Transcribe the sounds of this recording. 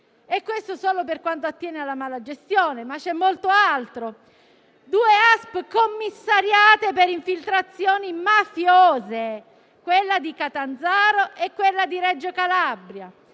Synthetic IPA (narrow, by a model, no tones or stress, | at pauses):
ekːwest̪osoːloperkwant̪oat̪ːjɛːnealːamaːlad͡ʒest̪joːnemat͡ʃːɛmːolt̪oalt̪ɾo | d̪uːeaspkomːisːaɾjaːt̪epeɾiɱfilt̪ɾat̪sːjoːnimafjoːze | kwelːad̪ikat̪and̪zaːɾoʔekːwelːad̪iɾɛd͡ʒːokalabɾja